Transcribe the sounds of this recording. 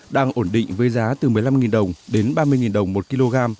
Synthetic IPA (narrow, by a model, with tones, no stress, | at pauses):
ɗaː˧ŋʔo˧˩nɗḭ˧˨ŋ̟vəː˨˦jzaː˨˦t̪ɨ˨˩mɨ˨˩əjla˧mŋi˨˩nɗə˨˩wŋ͡mɗe˨˦nɓaː˧mɨ˧əjŋi˨˩nɗə˨˩wŋ͡mmo˨˩t̚ki˧lo˧ɣaː˧m